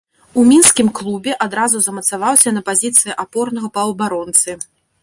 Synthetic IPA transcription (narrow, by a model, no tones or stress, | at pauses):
umʲinskʲimklˠubʲɛʔad̪ɾazuzɐmɐt̪savawsʲɐnɐpazʲit̪sɨjɛʔapɔrnɐɣɐpɐwbaɾɔnt̪sɨ